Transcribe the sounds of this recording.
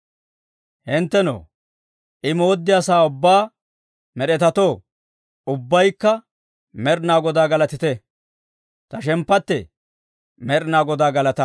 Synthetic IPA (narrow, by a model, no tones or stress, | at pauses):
hɪnt̪ːɛno̰ː | ʔɪmoːd̪ːɪɐsaːʊbːaː | mɛɗɛt̪ɐt̪oː | ʊbːɐjkːɐ | mɛɾnaːɡɔd̪aːɡɐlɐt̪ɪt̪ɛ | t̪ɐʃɛmpːɐt̪ːɛ | mɛɾnaːɡɔd̪aːɡɐlɐt̪ɐ